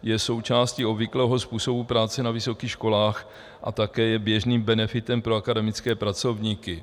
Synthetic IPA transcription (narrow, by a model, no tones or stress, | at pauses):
jɛso̞wt͡ʃaːsciobvɪklɛːɦo̞spuːso̞bupɾaːt͡sɛnavɪso̞kiːxʃkolaːx | ʔa̰t̪akɛːjɛbjɛʒniːmbɛnɛfɪt̪ɛmpɾoakadɛmɪt͡skɛːpɾat͡so̞vɲikɪ